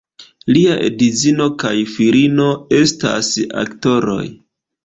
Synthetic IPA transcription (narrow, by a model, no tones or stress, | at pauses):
liaʔḛdizino̞kajfiɾino̞e̞sta̰sa̰kto̞ɾo̞̰j